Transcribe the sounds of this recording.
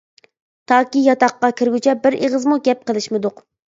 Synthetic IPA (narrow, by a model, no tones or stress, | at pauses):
t̪ʰɑːkʲijɑt̪ɑqːɑkʲʰɪɾɡʲyt͡ʃʰɛbɪɾeʁəzmuɡʲɛp̚qəlˠɨʃmɨd̪ʊq